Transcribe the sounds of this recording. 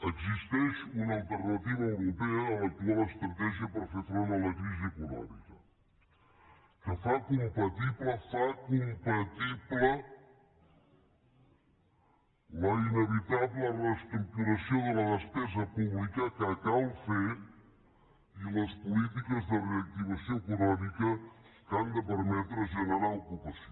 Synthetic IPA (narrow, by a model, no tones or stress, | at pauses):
əɡzist̪ɛʃunəːlˠt̪əɾnət̪iβəəwɾupeəːlət̪uɔləəst̪ɾɐt̪ɛʒiəpəɾfefɾonələkɾiziəkulɔ̰mḭkə | kəfakumpɐt̪iβləfakumpət̪iblə | ləinəβit̪ablərəst̪ɾuk̚t̪uɾəsioðələðəspɛzəpuβlikəkəkawfe | iləspulit̪̬ikəzðəreɐk̚t̪iβəsioekunɔmikəstand̪əpəɾmɛt̪ɾəʒənəɾaukupəsio